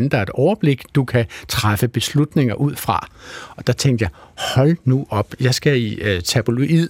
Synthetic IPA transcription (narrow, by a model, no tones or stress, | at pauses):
nn̩d̥ɑ̈ɐe̝d̥ɒʊɐb̥le̝ɡ̥d̥ukʰæt͡sʰʁafəb̥e̝slud̥ne̝ŋɐʔuð̰ˠfʁɑ̈ɒ̽d̥ɑ̈t͡sʰeŋ̰d̥jɑ̈ɪhɒ̽lnuʔɒ̽b̥jɑ̈ɪsɡ̥æit͡sʰæb̥oloʔið̰ˠ